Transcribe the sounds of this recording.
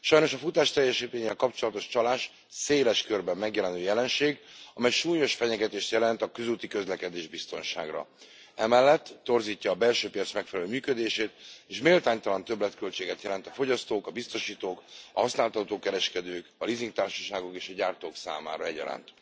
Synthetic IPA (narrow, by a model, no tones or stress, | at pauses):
ʃɒjno̞ʃɒfut̪aːʃt̪ɛjːɛʃit̪eːɲeɛkɒpt͡ʃo̞lɒt̪o̞ʃt͡ʃɒlaːʃ | seːlɛʃkørbɛmːɛɡjɛlɛnøːjɛlɛnʃeːɡɒmɛjʃuːɲo̞ʃfɛɲɛɡɛt̪eːʃt̪jɛlɛnt̪ɒkøzuːt̪ikøzlɛkɛd̪eːʒbist̪o̞nʃa̰ːɡrɒ̰ | ɛmɛlːɛt̪ːo̞rziːcːɒːbɛlʃøːpijɒt̪smɛkfɛlɛløːmyːkød̪eːʃeːt̪eːʃmeːlt̪aːɲt̪ɒlɒnt̪øblɛt̪kølt͡ʃeːɡɛt̪jɛlɛnt̪ɒfo̞ɟɒst̪oːkɒbist̪o̞ʃiːt̪oːkɒ̰ɦɒsnaːlt̪ɒt̪oːkɛɾɛʃkɛd̪øːkɒliziŋɡt̪aːrʃɒ̥ʃaːɡo̞keːʃɒɟaːrt̪oːksa̰ːma̰ːɾɒɛɟɒ̰ɾa̰nt̪